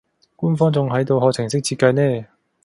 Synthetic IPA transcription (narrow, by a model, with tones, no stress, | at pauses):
k͈u˦nfʰʌd͡ʑo˧ŋɦa˧jdo˧ɦʌ˦t͡ɕʰe˨ŋsʰe˥k̚t͡ɕi˧k͈a˧ne